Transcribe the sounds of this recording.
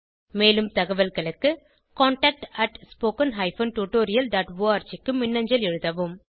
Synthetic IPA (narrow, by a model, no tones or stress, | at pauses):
meːlɯmt̪ɐɣɐʋɐlɣɐɭɯkːɯ | kaːɳʈɐːk̚ʈɐʈspoːkɐnɦɐɪfɐːnʈuːʈoːɾɪjɐlɖaːʈʋoːaːɾt͡ʃɪkːɯmɪnːɐɲd͡ʒɐlɛɻɯðɐʋɯm